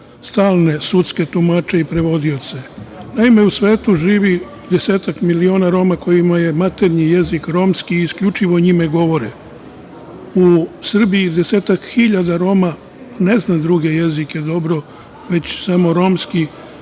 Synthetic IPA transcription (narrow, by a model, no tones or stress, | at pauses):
st̪aːlˠne̞sut̪ske̞t̪umat͡ʃe̞ipɾe̞ʋo̞d̪io̞t̪se̞naime̞usʋe̞ːt̪uʒiːʋi | d̪ese̞ːt̪akmilio̞ːnaɾo̞ːmako̞jimaje̞mat̪e̞ɾɲije̞zikɾo̞ːmskiːskʎut͡ʃiʋo̞ɲimeɡo̞ʋo̞ɾe | usr̩biid̪ese̞ːt̪akxiʎad̪aɾo̞ːma | ne̞znad̪ɾuɡe̞je̞zike̞d̪o̞bɾo̞ | ʋe̞t͡ɕsamo̞ɾo̞mski